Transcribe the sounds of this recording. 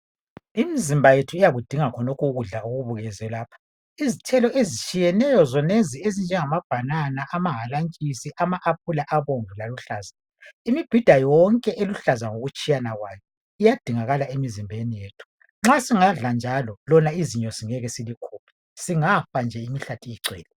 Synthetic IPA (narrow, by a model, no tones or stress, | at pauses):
imizimbʱajetʰuijaɣud̥ʱiŋakʰɔnɔkʰuɣuɮauɣuβuɣɛzɛlaːpʰḁ | izitʰɛlɔʔezit͡ʃʼijɛnɛjɔzɔneziezind͡ʒʱɛŋamab̥ʱananaʔamaɦalaŋt͡ʃʼisiʔamaʔap̚ʰulaʔaβoŋilaluɬaːza | imib̥ʱid̥ʱajɔŋkʼɛʔeluɬazaŋoɣut͡ʃʼijanaɣwaːjɔ | ijad̥ʱiŋaɣalaemizimbʱenijeːtʰu̥ | ŋ͡ǁasiŋaɮand͡ʒʱalɔlɔnaiziɲɔsiŋɛɣɛsilikʰuːpʰi̥ | siŋafand͡ʒʱɛimiɬatʰiiǀɛ̰ːlɛ